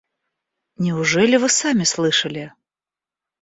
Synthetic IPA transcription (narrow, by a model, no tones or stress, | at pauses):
nʲiwʐɛlʲivɨsamʲislˠɨʂɐlʲi